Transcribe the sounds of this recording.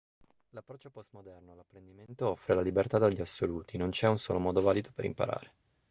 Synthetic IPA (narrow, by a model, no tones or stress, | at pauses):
lapːɾɔt͡ʃːopɔst̪mod̪ɛrnolapːɾend̪iment̪oɔfːɾelalibert̪ad̪aʎːiasːoluːt̪inont͡ʃɛunso̰ːlomɔːd̪ovaːlid̪opeɾḭmpa̰ɾa̰ːɾe